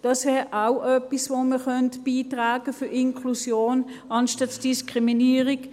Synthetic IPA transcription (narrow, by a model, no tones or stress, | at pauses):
d̥ɑsvɛːʁʔaʊʔœpisvoːməχœntb̥iːtʁaːɡ̥əfyɐɪnkʰlusjoːnʔɑnʃtɑsd̥iskʁiminiːəʁɪk